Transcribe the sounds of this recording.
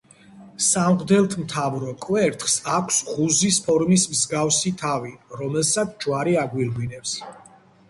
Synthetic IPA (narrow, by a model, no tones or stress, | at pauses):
samʁd̪ɛlˠt̪ʰmt̪ʰavɾɔkʼwɛɾt̪ʰχsakʷʰsʁuzispʰɔɾmismzɡafsit̪ʰaviɾɔmɛlˠsat̪sʰd͡ʒwaɾiaɡwiɾʁinɛps